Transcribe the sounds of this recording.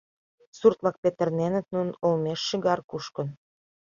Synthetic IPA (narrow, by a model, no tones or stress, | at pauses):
surt̪lɑk̚pet̪ə̆rnenə̆t̪̚nunolmeʃːəɣɑrkuʃkə̆n